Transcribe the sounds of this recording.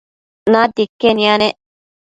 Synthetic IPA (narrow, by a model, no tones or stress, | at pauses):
naːd̪ikːenianeʔ